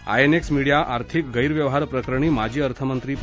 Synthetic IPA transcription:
a̰jeneksmiɽijaʔaɾt̪ʰik̚ɡəjɾʋjəʋɦaɾpɾəkɾəɳ̃iːmad͡ʑʱiːəɾt̪ʰəmənt̪ɾiːp

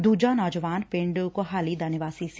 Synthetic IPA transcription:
d̪uːd͡ʒanɔːd͡ʒəʋaːnpẽɳɖukoɦaːlid̪anəʋaːsis

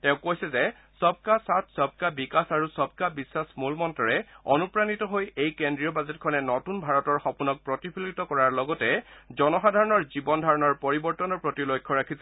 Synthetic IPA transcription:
tɛ̃ʊ̃kojsɛzɛ | sɔb̚kasatʰsɔb̚kabikasaɹusɔb̚kabisasmulmɔntɔɹɛɔnupɹanitɔɦojejkendɹijɔbazɛtkʰɔnɛnɔtunbʱaɹɔtɔɹxɔpunɔk̚pɹɔtipʰilɡitɔkɔɹaɹlɔɡɔtɛzɔnɔxadʱaɹɔnɔɹzibɔndʱaɹɔnɔɹpɔɹibɔɹtɔnɔɹpɹɔtilojkʰːɔɹakʰisɛ

